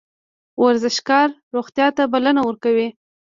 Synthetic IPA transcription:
waɾzɪʃkɑɾːoɣt̪jɑt̪abalanawəɾkawi

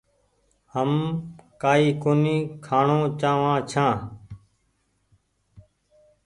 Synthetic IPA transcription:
həmkaːiːkoːniːkʰaːɳõːt͡ʃãːʋãːt͡ʃʰãː

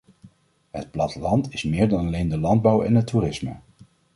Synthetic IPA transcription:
ɦət̚plɑtəlɑntɪsmɪːɹdɑnɑlejndəlɑnd̚bʌwɛ̰nɦətːurɪsmə̰

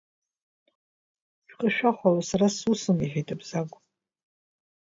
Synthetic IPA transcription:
ʃᶣqʼəʃᶣaχʷalosaɾasusɨmiħʷᶣitʼɨbz̥akʷʼ

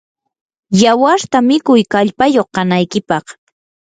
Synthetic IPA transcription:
jawaɾt̪amɪkʊjkaʎpajoχkɑnajkɪpɑχ

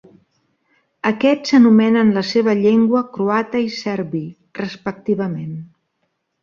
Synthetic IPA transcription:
əkɛt͡ssənumɛnənləseβ̞əʎeŋɡwəkɾuat̪əisɛɾβi | rəspək̚t̪iβəmen

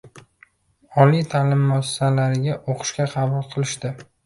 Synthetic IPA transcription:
ɒlijt̪ʰaːlɪmːɒssalaɾɪɡʲaʔoqʰɨ̥ʃkʲaqʰɑbʊlˠqʰɨlˠɪʃt̪ɪ

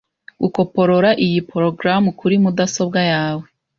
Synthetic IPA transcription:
ɡuko̞po̞ɾo̞ɾaʔijipɾoɡɾamukʰuɾimudaso̞bɡajaːwe

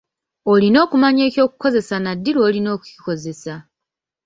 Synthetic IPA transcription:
o̞lino̞ːkumaɲe̞ːco̞ːku̥ko̞ze̞sanadːilwo̞ːlino̞ːku̥ciko̞ze̞sa

